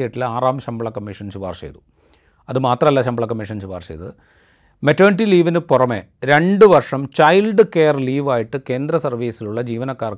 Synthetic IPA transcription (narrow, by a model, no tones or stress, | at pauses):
ejiʈːilaːraːmɕɐmbɐɭɐkɐmːiʂɐnt͡ɕubaːrɕḛjðu | ɐðɨmaːt̪rɐmɐlːaɕɐmbɐɭɐkɐmːiʂɐnt͡ɕubaːrɕḛjðɨ̰ | metːoːniʈːiliːʋinɨpurɐmḛː | ɾe̞ɳɖɨʋɐrʂɐmt͡ɕɐjlɖɨkeːɐrliːʋaːjiʈːɨke̞ːnd̪ɾɐsɐrʋiːsiluɭːɐd͡ʑiːʋɐnɐkːaːr